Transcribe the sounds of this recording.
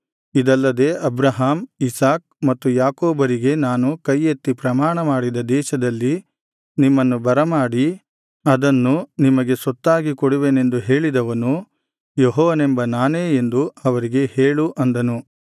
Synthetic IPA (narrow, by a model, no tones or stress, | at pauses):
id̪ɐlːɐd̪e̞ːʔɐbɾɐɦaːmisaːk̚mɐt̪ːujaːkoːbɐɾiɡe̞naːnukɐjːet̪ːipɾɐmaːɳɐmaːɽid̪ɐd̪ɛːʃɐd̪ɐlːi | nimːɐnːubɐɾɐmaːɽi | ɐd̪ɐnːunimɐɡe̞sɔt̪ːaːɡikɔɽiʋeːne̞nd̪uɦe̞ːɭid̪ɐʋɐnu | jeɦɔːʋɐnembɐnaːneːend̪uɐʋɐɾiɡe̞he̞ːɭuʔɐnd̪ɐnu